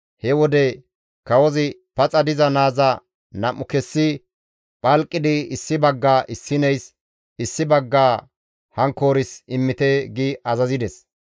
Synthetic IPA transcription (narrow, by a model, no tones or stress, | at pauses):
hɛwɔd̪ɛ | kɐwɔzɪpɐt͡sʼɐd̪ɪzɐnaːzɐ | nɐmːʊkɛsːɪ | pʼɐlkʼːɪd̪ɪɪsːɪbɐɡːaːʔɪsːɪnɛjs | ɪsːɪbɐɡːaː | hɐŋko̞ːɾɪsɪmːɪt̪ɛɡɪʔɐzɐzɪd̪ɛs